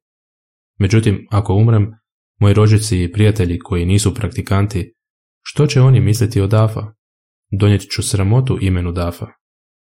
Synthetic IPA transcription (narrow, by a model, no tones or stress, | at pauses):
me̞d͡ʑut̪imako̞umɾemː | o̞jiɾo̞d͡ʑit̪siːpɾijat̪e̞ʎikʰo̞jiniːsupɾakt̪ikant̪i | ʃt̪o̞t͡ɕe̞o̞nimislʲit̪io̞d̪aːfa̰ | d̪o̞njet̪ʲt͡ɕusɾamo̞t̪uʔime̞nud̪aːfa